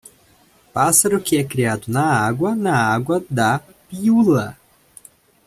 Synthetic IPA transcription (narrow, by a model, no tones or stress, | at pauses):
pasɐɾʊkɪɛkɾiad̪ʊnɐaɡwɐnɐaɡwɐd̪ɐ | piulɐ